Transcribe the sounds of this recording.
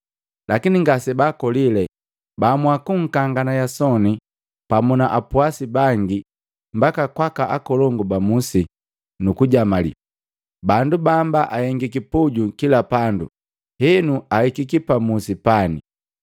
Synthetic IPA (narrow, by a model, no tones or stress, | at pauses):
lakiniŋɡasɛbaːkɔlilɛ | bamwakuŋ̩kaŋɡanajasɔni | pamunaʔapuasibaŋɡi | mbakakwakaʔakɔlɔŋɡubamusi | nukuɟamalḭ | bandubambaʔahɛŋɡikipuɟukilapandṵ | hɛnuahikikipamusipanḭ